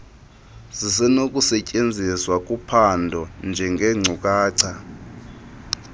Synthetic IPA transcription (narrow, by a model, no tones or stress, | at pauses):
zisɛnokʼusɛcʼend͡zʱiswakʼupʰandʱɔnd͡ʒʱɛŋɡʱɛŋ͡ǀʱukʼaːǀʰa